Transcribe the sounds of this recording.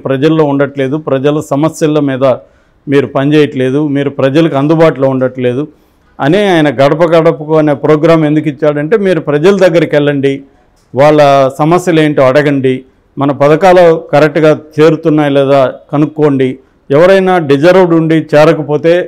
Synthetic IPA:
pɾɐd͡ʒɐlːo̞ːuɳɖɐʈle̞ːd̪upɾɐd͡ʒɐlɐsɐmɐsjɐlɐmiːd̪ɐ | miːɾupɐɲd͡ʒeːjɐʈɐle̞ːd̪umiːɾupɾɐd͡ʒɐlɐkiɐnd̪ubaːʈuloːuɳɖɐʈle̞ːd̪u | ɐniaːjɐnɐɡɐɽɐpɐɡɐɽɐpɐukuɐne̞ːpɾoːɡɾaːme̞nd̪uk̬it͡ʃːaːɽɐɳʈe̞ːmiːɾupɾɐd͡ʒɐlɐd̪ɐɡːɐɾɐkɛɭːɐɳɖi | ʋaːɭːɐsɐmɐsjɐle̞ːɳʈoːɐɽɐɡɐɳɖi | mɐnɐpɐd̪ɐkaːloːkɐɾek̚ʈɡaːt͡ʃe̞ːɾut̪unːaːjlɛːd̪aːkɐnukːo̞ːɳɖi | ɛʋɐɾɐjnaːɖid͡ʒɐɾɐwɖuɳɖit͡ʃɛːɾɐkɐpo̞ːt̪e̞ː

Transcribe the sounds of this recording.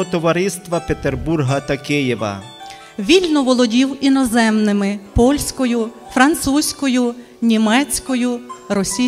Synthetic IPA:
ɔt̪ɔʋɐɾɪst̪ʋɐpet̪erburɦɐt̪ɐkɪjɛʋɐ̰ | ʋʲilʲnɔʋɔlˠɔdʲiwinɔzɛmnɪmɪpɔlʲsʲkɔjʊ | fɾɐnt̪susʲkɔjʊ | nʲimɛt͡sʲkɔjʊɾɔsʲi

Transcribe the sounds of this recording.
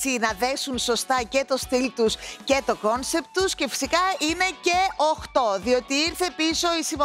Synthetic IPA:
sinɐðe̞sunso̞st̪ɐce̞t̪o̞st̪ilt̪usce̞t̪o̞ko̞nse̞pt̪usce̞fi̥sikɐine̞ce̞oxt̪o̞ðio̞t̪iiɾθe̞piso̞isiɱvɐ

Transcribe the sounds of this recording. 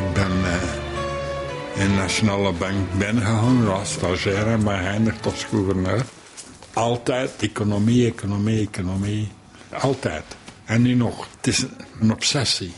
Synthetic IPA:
ɪɡ̚bɛn | ɪnnaʃonaːləbaŋkbɪnəɣəɦɑŋəɑstɑʒɛːɾɛnbɛɦɛjndəxtɔsɡuvərnøːr | ɑlˠtɛjtekonomiekonomiekonomi | ɑlˠtɛ̰ːtɛnːynɔxtɪsənɔpsɛsi

